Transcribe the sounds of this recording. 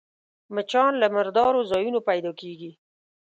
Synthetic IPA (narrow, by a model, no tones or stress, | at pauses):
mat͡ʃɑnlamɪɾd̪ɑɾozɑjunopajd̪ɑkeɡi